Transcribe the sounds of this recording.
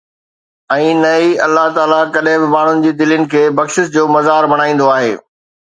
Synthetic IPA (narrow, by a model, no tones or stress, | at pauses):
ɛ̃ːnɐiɐlːaɦt̪aːlakɐɗɦɪ̃bɪmaːɳ̤ʊnɪ̆d͡ʑiːd̪ɪlənɪ̆kʰeːbɐkʃɪsd͡ʑoːmɐzaːɾbɐɽ̃aːĩːn̆d̪oaːɦḛː